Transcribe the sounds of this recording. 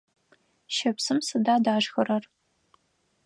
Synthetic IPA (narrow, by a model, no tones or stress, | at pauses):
ʃɐpsɨmsɨdaːdaːʒxɐɾɐr